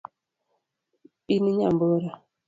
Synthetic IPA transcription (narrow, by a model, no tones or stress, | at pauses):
piniɲamboɾa